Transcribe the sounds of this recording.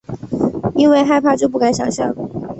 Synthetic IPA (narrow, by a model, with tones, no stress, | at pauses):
i˥nwe˥˧ɪxa˥˧ɪpʰa˥˧t͡ɕjo˥˧ʊp̬u˥˩ka˧˥nɕjɑ̰˨˩ŋɕjɑ˥˩ŋ